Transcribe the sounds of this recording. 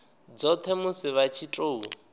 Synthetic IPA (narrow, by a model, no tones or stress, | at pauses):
d͡zɔt̪ʰɛmusɪβat͡ʃʰitʼoːu